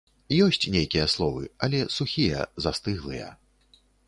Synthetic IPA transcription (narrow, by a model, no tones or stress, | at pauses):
jɔsʲt͡sʲnʲejkʲijɐslˠɔvɨɐlʲɛsuxʲijɛ̰zast̪ɨɣlˠɨjɐ̰